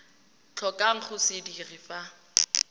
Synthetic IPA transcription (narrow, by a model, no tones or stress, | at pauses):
t͡ɬʰɔkʼaŋ̩χʊsɪdirɪfa